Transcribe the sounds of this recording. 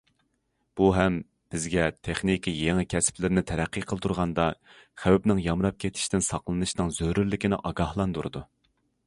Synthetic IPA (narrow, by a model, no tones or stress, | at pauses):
b̥uɦɛm | b̥ɪzɡʲɛt̪ʰeχnikʲʰijeŋɪkʲʰɛsɪ̥plɪɾɪnɪt̪ʰæɾæqʰːɨqʰəlˠt̪ʰuɾʁɑnd̪ɑχæwɛpnɪŋjɑmɾɑp̚kʲʰet̪ʰɪ̥ʃt̪ɪnsɑqlˠɨnɨʃnɨŋzøɾyɾlɪkʲinɪ̰ʔɑɡɑhlˠɑnd̪uɾɨ̰d̪u